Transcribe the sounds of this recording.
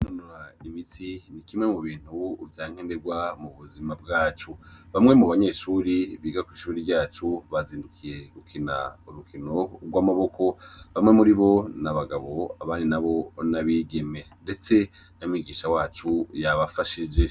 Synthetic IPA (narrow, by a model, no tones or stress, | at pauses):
nonuɾaimisinikimŋe̞muβiːn̥huːvjaːŋ̥endeɾɡwamuβuzimab̚ɡaːt͡ʃuβamŋe̞muβaɲe̞ʃuːɾiβiːɡakwiːʃuːɾiɾɟaːt͡ʃuβaziːndukʰije̞ɡukʰina̰uɾukino̞ɾɡwaːmaβo̞ko̞βamŋe̞muɾiβo̞naβaɡaβo̞aβaːndinaβo̞naβiːɡe̞me̞nde̞t͡se̞ | nomŋiːɡiːʃawaːt͡ʃujaβafaʃid͡ʒe̞